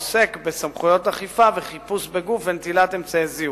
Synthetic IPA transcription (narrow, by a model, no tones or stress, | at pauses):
sekbesamχujo̞taχifaveχipusbeɡufvent̪ilatemt͡sajezi